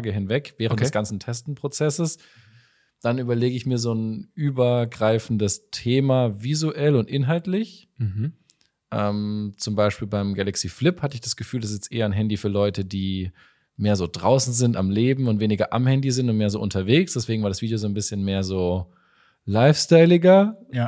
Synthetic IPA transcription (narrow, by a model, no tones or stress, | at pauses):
ɡəɦɪnvɛkvɛːʁənttdɛsɡ̥ant͡ssn̩tʰɛstn̩pʁ̥ot͡sɛsəs | d̥anyːbɐleːɡəɪçmiːɐzoːnʔyːbɐɡʁaɪfn̩dəstʰeːmavizuʔɛlʊntʔɪnɦaltlɪç̩ | ʔɛːmt͡sʊmbaɪʃpiːlbaɪmɡɛlɛksiːflɪphatəɪçd̥asɡ̥əfyːldasɪsjɛstʔḛːɐɪnɦɛndifyːɐlɔʏtədiː | meːɐzoːdʁaʊsn̩zɪntamleːbm̩ʊntv̥eːnɪɡɐʔa̰mhɛndizɪntʊntmeːɐzoːʔʊ̰ntɐveːksd̥ɛsv̥eːɡŋ̩vaɐɾasviːdijoːzoːnbɪsçənmeːɐzoː | laɪfstaɪlɪɡɐ